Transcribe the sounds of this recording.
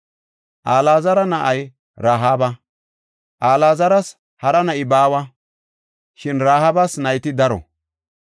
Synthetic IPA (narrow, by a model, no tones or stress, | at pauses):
ʔaːlaːzɐɾɐnɐʔɐj | ɾaːɦaːbɐ | ʔaːlaːzɐɾɐs | hɐɾɐnɐʔɪbaːwɐ | ʃɪnɾaːhabɐsnɐjt̪ɪd̪ɐɾɔ̰